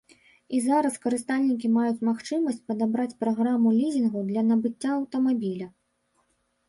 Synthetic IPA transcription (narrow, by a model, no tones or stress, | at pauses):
izaɾɐskɐɾɨst̪alʲnʲikʲimajut͡sʲmaxt͡ʂɨmɐsʲt͡sʲpɐd̪abɾat͡sʲpɾaɣɾamulʲizʲinɣɐwd̪lʲɐnɐbɨt͡sʲːaɐwt̪ɐmabʲilʲɐ